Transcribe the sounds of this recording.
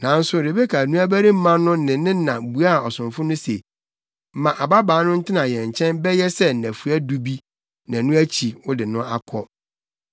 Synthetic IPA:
nã˨n̩˦sʊ˨ɾe˨be˦kʰa˨nũ˦æ˦bæ˦ɾi˦m̩˦mã˦nʊ̃˦nɪ̃˨nɪ̃˦nã˨bu˨˦a˦˨ɔ˨sʊ̃˨ɱfʊ˦nʊ̃˦se˨ | m̩˦mã˨ʔa˨ba˦baː˨˦nʊ̃˦n̩˦tʰɪ˦nã˨jɛ̃˨ɲ˨t͡ɕʰɛ̃˦nbɛ˦jɛ˦sɛ˦n̩˨næ̃˨fu˨æ˦du˦bi˦ | nã˨nʊ̃˦æ˦t͡ɕʰi˨wʊ˦dɪ˨nʊ̃˦ʔa˦kʰɔ˦

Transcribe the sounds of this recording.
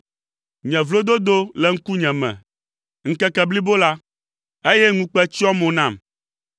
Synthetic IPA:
ɲɛ̃˨vlo˦d̪o˦d̪o˦lɛ˨ŋ̩˦ku˦ɲɛ̃˨mɛ̰̃˨ | ŋ̩˦kɛ˦kɛ˨bli˦bo˦la˦ | e˦jɛ˦ŋũ˦k͡pɛ˦t͡ɕi˦ɔ˦mõ˨nã˨m

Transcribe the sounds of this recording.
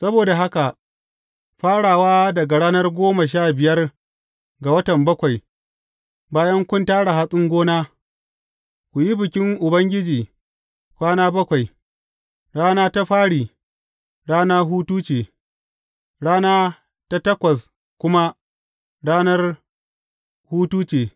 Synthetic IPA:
sɐ˦boː˨da˨ɦa˦ka˨ʔ | ɸaː˦ɽaː˨waː˦dɐ˨ɡa˨ɽaː˦nɐ˦rɡʷoː˦ma˨ʃ̬aː˦bɪ˨jɐ˦r | ɡa˨wɐ˦tɐ˨mbɐ˦kʷa˨j | baː˦jɐ˦ŋkʷʊ˦ntaː˦ɽa˨ɦa˦sʼɪ˦ŋɡʷoː˦naː˦ | kʷu˨ji˦bɪ˨kʲɪ˦ŋʔʊ˨bɐ˦ŋɡʲɪ˦d͡ʒiː˨ | kʷaː˦naː˦bɐ˦kʷa˨j | ɽaː˦naː˦ta˦ɸaː˦ɽiː˨ | ɽaː˦naː˦ɦuː˦tuː˦t͡ʃeː˨ | ɽaː˦naː˦ | ta˦tɐ˦kʷɐ˨s | kʷʊ˦ma˦ | ɽaː˦nɐ˦r | huː˦tuː˦t͡ʃeː˨

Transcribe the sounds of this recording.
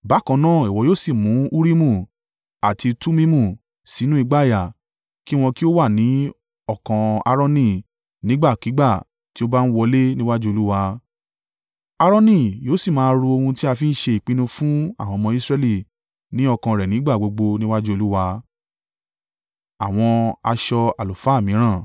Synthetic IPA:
ba˨˦kã˧nãː˦˨i˨wɔ˨joː˦˨si˦˨mũ˨˦u˦ɾi˦mũ˦˨ | a˨ti˧tu˦mĩ˦mũ˦˨ | si˨˦nũ˦i˧ɡ͡ba˦˨ja˨ | ki˦w̃ɔ̃˧ki˦o˦wa˦˨nĩ˨˦ | ɔ˦˨kã˧a̰˧ɾɔ̃˧nĩ˦˨ | nĩ˨˦ɡ͡ba˦˨ki˨˦ɡ͡ba˦˨ | ti˦o˦ba˦ñ̩˦wɔ˧le˦nĩ˦wa˦d͡ʒu˦o˧lu˦wa˧ | a˧ɾɔ̃˦nĩ˦˨joː˨˦si˦˨mãː˨˦˧ɾu˧o˧hũ˧ti˦a˧fi˦n̩˦ʃe˧i˨k͡pĩ˦nũ˧fũ˦a˦˨w̃ɔ̃˧mɔ̃˧i˦sɾɛ˧li˦˨ | nĩ˨˦ɔ˧kã˧ɾɛ˨nĩ˨˦ɡ͡ba˦˨ɡ͡bo˧ɡ͡bo˧nĩ˦wa˦d͡ʒu˦o˧lu˦wa˧ | a˨w̃ɔ̃˧a˧ʃɔ˧a˨lu˨fa˨˦˨mĩ˨˦ɾ̃ã˦˨

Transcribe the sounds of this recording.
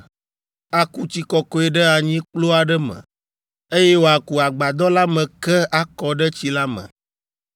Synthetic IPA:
a˨ku˦t͡ɕi˨kɔ˦kɔ˦ɛ˨ɖɛ˦a˨ɲĩ˦k͡plo˦a˨ɖɛ˦mə̰̃˨ | e˦je˦wo˨˦a˨ku˨a˨ɡ͡ba˨d̪ɔ˦la˦mɛ̃˨kɛ˦a˦kɔ˨ɖɛ˦t͡ɕi˦la˦mə̰̃˨

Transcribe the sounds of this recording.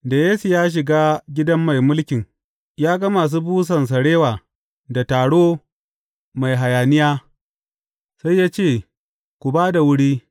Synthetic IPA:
da˨jaː˦su˨jaː˦ʃ̬ɪ˨ɡaː˦ɡʲɪ˦dɐ˦mːa˨jmʊ˦lkʲɪ˨ŋ | jaː˦ɡɐ˦maː˨s̬uː˦buː˦s̬ɐ˨ns̬ɐ˨ɽeː˦waː˨ | da˨taː˨ɽoː˦ | ma˨jɦa˨jaː˨nɪ˦jaː˦ | sa˦jːaː˦t͡ʃeː˦˨ | kʷu˨baː˦da˨wʊ˦ɽiː˦

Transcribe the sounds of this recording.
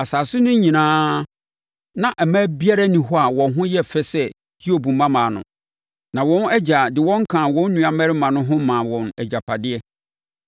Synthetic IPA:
a˨saː˨sʊ˦nʊ̃˦ɲ˦ɲĩ˨nãː˦ | nã˨ʔɛ˨mæ̃˦bi˦a˦ɾa˦nĩ˨ɦɔ˦a˨wɔ̃˨nɦʊ̃˦jɛ˦fɛ˦sɛ˦˨ | hi˦o˦˨bũ˨mːã˦mãː˨nʊ̰̃˨ | nã˨wɔ̃˦nɛ˦d͡ʑa˨dɪ˨wɔ̃˦ŋ˦kʰã˨wɔ̃˦nː˦ũ˨a˨mæ˦ɾɪ˦mã˨nʊ̃˦ɦʊ̃˦mã˨wɔ̃˨nɛ˨d͡ʑa˨pʰa˨dɪ˦ɛ˦

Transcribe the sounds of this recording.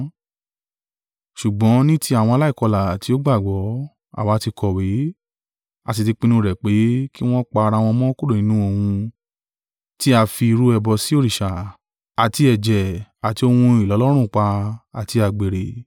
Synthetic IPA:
ʃu˨ɡ͡bɔ̃˨˦nĩ˦ti˦a˦˨w̃ɔ̃˧a˧la˦i˦˨kɔ˧la˨ti˨˦o˦ɡ͡ba˦˨ɡ͡bɔ˨˦ | a̰˦˨wa˨˦ti˧kɔ˧˨we˨˦ | a˧t̬i˧ti˧k͡pĩ˧nũ˧˦˧ɾɛ˨k͡pe˨˦ki˦w̃ɔ̃˦k͡pa˧ɾa˧w̃ɔ̃˧mɔ̃˦ku˦dõ˦˨ĩ˨˦nũ˦o˧hũ˧ | ti˦a˧fi˧i˧ɾu˦ɛ˧bɔ˧si˦o˦˨ɾi˨ʃa˨ | a˨ti˧ɛ˨d͡ʒɛ˨a˨ti˧o˧hũ˧i˨lɔ˨˦lɔ˦ɾ̃ũ˦˨k͡pa˧a˨ti˧a˧˨ɡ͡be˨ɾe˨

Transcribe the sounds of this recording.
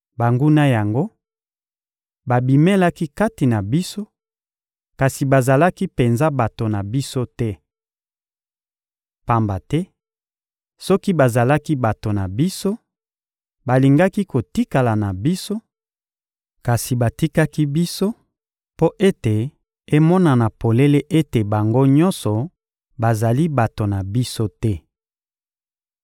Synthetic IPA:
ba˨ŋɡu˦na˦ja˨ŋɡo˦ | ba˨bi˨me˦la˦ki˦ka˦ti˨na˨bi˦so˦ | ka˨si˨ba˨za˨la˦ki˦pe˨nza˦ba˨to˨na˨bi˦so˦tɛ˦ | pa˨mba˨tɛ˦ | sɔ˦ki˦ba˨za˨la˦ki˦ba˨to˨na˨bi˦so˦ | ba˨li˨ŋɡa˦ki˦ko˨ti˦ka˨la˨na˨bi˦so˦ | ka˨si˨ba˨ti˦ka˦ki˦bi˦so˦ | po˦ʔe˦te˨ | e˦mɔ˦na˨na˨po˨le˦le˦ʔe˦te˨ba˨ŋɡo˦ɲɔ˦nsɔ˨ | ba˨za˨li˦ba˨to˨na˨bi˦so˦tɛ˦

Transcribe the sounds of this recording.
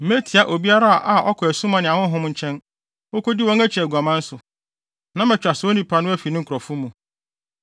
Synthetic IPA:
m̩˦me˦tʰi˨a˨ʔo˨bi˦a˦ɾa˦a˨ʔa˨ʔɔ˦kʰɔ˨æ˨sũ˦mã˨nɪ̃˨ã˨wʊ̃˦ɦʊ̃˦mɲ̩˨˦t͡ɕʰɛ̃˦n | o˦ko˦dɪ˦wɔ̃˦ŋæ˦t͡ɕʰæ˨ɡu˨a˨mã˦n̩˦sʊ˨ | nã˦mɛ̃˨t͡ɕᶣɾa˨so˦nĩ˦pʰa˨nʊ̃˦æ˦fi˨nɪ̃˦ŋ̩˦kʰɾɔ˨fʊ˦mũ˨

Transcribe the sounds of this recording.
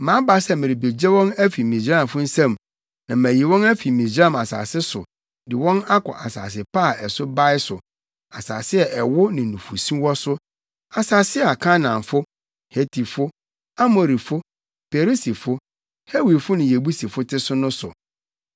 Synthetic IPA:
mã˨˦ba˦sɛ˦˨mɪ̃˨ɾi˨be˨d͡ʑe˦wɔ̃˦næ˦fi˨mĩ˨d͡ʑɾã˦˨mfʊ˦n̩˦sɛ̃˦˨m | nã˨mæ̃˨ji˨wɔ̃˦næ˦fi˨mĩ˨d͡ʑã˦˨ma˨sa̰ː˨sɪ˦sʊ˨ | dɪ˨wɔ̃˦na˦kʰɔ̰˨ʔa˨sa̰ː˨s̬ɪ˨pa˦˨ʔɛ˨sʊ˦ba˦ɪ˦sʊ˨ | a˨saː˨sɪ˦ɛ˨ʔɛ˨wʊ˦nɪ̃˨nũ˨fu˨sĩ˦wɔ˦sʊ˦ | a˨saː˨sɪ˦a˨kʰã˦nã˨mfʊ˦ | he˦tʰi˨fʊ˦ | a˦mo˨ɾi˨fʊ˦ | pʰe˨ɾi˦si˨fʊ˦ | he˦wi˨fʊ˦nʊ̃˨je˨bu˦si˨fʊ˦tʰɪ˦sʊ˦nʊ̃˦sʊ˨

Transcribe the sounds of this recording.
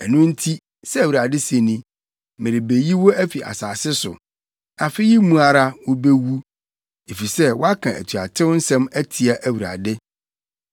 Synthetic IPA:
ɛ˨nʊ̃˦n̩˦tʰi˦ | sɛ˦æ˨wu˨ɾa˨dɪ˦sẽ˨nĩ˦ | mɪ̃˨ɾɪ˨be˨ji˦wo˦æ˦fi˨ʔa̰˨saː˨sɪ˦sʊ̰˨ | a˨fɪ˦ji˦mũ˦a˦ɾa˦wo˦be˦wu˦ | e˨fi˨sɛ˦wɔ˦a˦kʰã˨ʔæ̰˨tʰɥa˨tʰɪ̃˦n̩˦sɛ̃˦mæ˦tʰi˨a˨ʔæ˨wu˨ɾa̰˨dɪ˦

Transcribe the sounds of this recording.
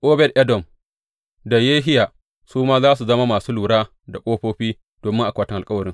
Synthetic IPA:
ʔʼoː˦bɛ˦˨dʔɛ˦dɔ˨m | da˨jeː˦ɦɪ˦jaː˨ | suː˦maː˦zaː˦s̬u˨zɐ˦ma˦maː˨suː˦luː˨ɽaː˦ | da˨kʷʼoː˦ɸoː˦ɸiː˦ | d̥oː˨mɪ˦ŋʔa˨kʷaː˨tɪ˦ŋʔa˨kʼɐ˦wɐ˨ɾɪ˦ŋ

